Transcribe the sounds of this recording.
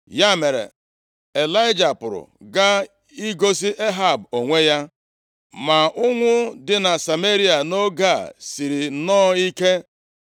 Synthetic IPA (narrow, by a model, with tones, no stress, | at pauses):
ja˦˨me˨ɾḛ˨ | e˨la˦ɪ˦d͡ʒa˨pʊ˨ɾʊ̰˨ɡa˦ | i˦ɡo˦si˦ʔe˦ɦa˦˨bo˨ŋʷe˦ja˦ | ma˨ʊ˦ŋʷʊ˦dɪ˨na˨sa˨me˦ɾi˦a˨no˦ɡa˦˨si˨ɾi˨˦nɔː˦i˦ke˦